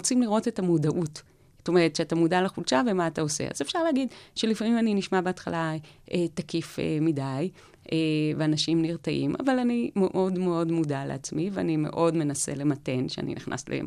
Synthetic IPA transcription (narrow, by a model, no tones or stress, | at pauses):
ot͡simliʁo̞tetamudaʔut | st̪o̞meʁ̞etʃeatamudalaχulʃavemaːtao̞sḛa̰zefʃaʁleːɡidʃelifamimaniniʃmabeatχalaetakifḛmidaj | ʔeveanaʃimniʁtaʔḭmʔa̰valanimeʔodmeo̞dmudaleat͡smivea̰nime̞̰ʔo̞dme̞nase̞̰le̞mate̞nʃea̰nḭniχnʔa̰slḛ